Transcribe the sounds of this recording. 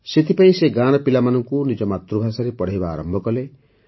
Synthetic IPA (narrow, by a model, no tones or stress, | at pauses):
set̪ʰipaĩseɡaɽ̃ɔpilamanɔŋkunid͡ʒɔmat̪ɾubʱasaɾepɔɽ̤ajba̰ːɾɔmbʱɔkɔle